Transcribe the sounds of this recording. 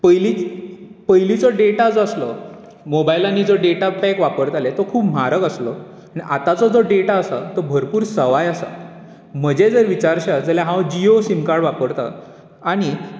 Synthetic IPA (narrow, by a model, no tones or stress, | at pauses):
pəjlipəjlit͡sɔɖeʈad͡zəslɔ | mobajlãnːid͡zɔɖeʈapɛkʋapəɾt̪alet̪ɔkʰuːpm̤aɾəkəslɔ | añiʔa̰t̪at͡sɔd͡zoɖeʈaəsa̰t̪ɔbʱəɾpuːɾsəʋajəsa̰ | m̤əd͡ʑed͡zəɾʋit͡ɕaɾɕad͡zəljaɦãʋd͡ʑiosimkaɾɽʋapəɾt̪a̰ | aɽ̃i